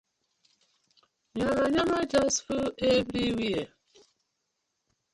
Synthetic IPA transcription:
ɲaɾaɲamad͡ʒasfuebɾiwie

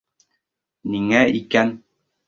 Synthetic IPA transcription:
niŋæʔikæn

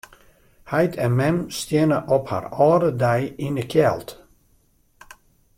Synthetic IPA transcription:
hajtʰɛnmɛnstjɪnəʔɔpha̰rɔːdədɛjinəkʰjɛlˠt

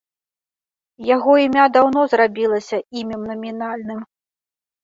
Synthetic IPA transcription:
jaɣɔimʲad̪awnɔzrabʲilˠɐsʲɐimʲɛmnɐmʲinalʲnɨm

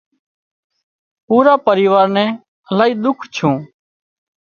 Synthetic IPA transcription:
puːɾaːpəɾiːʋaːɾnɛ̃ː | əlaːiːd̪ʊkʰt͡ʃʰũː

